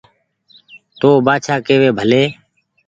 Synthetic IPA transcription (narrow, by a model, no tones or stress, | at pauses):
t̪oːbaːt͡ʃʰaːkeːʋeːbʱəleː